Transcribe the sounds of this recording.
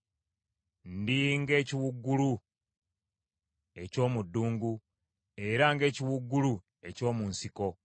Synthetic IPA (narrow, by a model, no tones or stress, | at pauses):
n̩diŋɡe̞ːciwuɡːulu | e̞co̞ːmudːuːŋɡu | e̞ɾaŋɡe̞ːciwuɡːulu | e̞co̞ːmunsiko̞